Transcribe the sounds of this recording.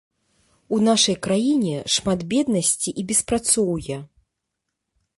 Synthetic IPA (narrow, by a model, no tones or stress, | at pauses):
unaʂɐjkɾajinʲɛʂmat̪bʲɛd̪nɐsʲt͡sʲiʔibʲɛspɾat̪sɔwjɛ